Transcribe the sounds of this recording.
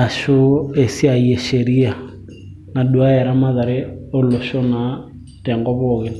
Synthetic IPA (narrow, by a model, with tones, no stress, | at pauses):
a˨ʃo˦e˨si˦a˨jɛ˨ʃe˨ɾi˦a˨ | na˨ɗu˨a˦ɛ˨ɾa˦ma˦ða˨ɾe˦o˦lo˨ʃo˦na˨ | tɛ˨ŋɡɔ˦βɔɣe˨